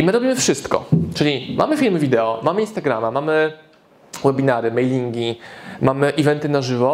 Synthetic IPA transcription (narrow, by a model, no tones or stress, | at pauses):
imɘɾɔbʲimɘfʂɘst̪kɔ̰t͡ʂɘlʲimʔa̰mɘfʲilmɘvʲid̪ɛɔmamɘinst̪aɡɾamamamɘ | wɛbʲinaɾɘmɛjlʲiŋɡʲimamɘʔivɛnt̪ɘnaʐɘvɔ